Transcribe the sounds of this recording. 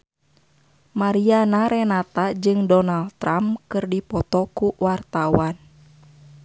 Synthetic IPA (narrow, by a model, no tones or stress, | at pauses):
maɾianaɾɛnat̪ad͡ʒɨŋdɔnaldt̪ɾamkɨrdipɔt̪ɔkuwart̪awan